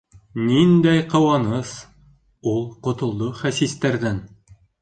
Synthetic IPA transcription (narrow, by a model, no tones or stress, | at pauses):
nind̪æjqɤ̆wɑnɤs | ulˠqŏt̪ŏlˠd̪oχæsist̪æɾðæn